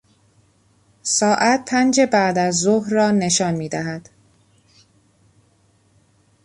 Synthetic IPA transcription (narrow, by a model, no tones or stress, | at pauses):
sɒːʔæt̪̚pʰænd͡ʒe̞bæʔd̪æzːoɦɾːɒːne̞ʃɒːnmiːd̪æɦæd̪̥